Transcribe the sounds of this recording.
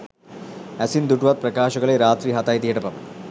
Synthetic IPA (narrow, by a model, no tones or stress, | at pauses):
ɐsind̪uʈʋat̪̚pɾɐkaːʃɐɡɐɭeɾaːt̪ɾiːɦɐt̪aːjt̪ijɐʈɐpɐm